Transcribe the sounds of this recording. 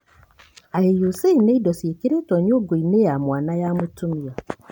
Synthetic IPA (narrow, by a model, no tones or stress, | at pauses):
ajejuseineidɔsekiɾetoɲoɡoinejamwaːnajamutumia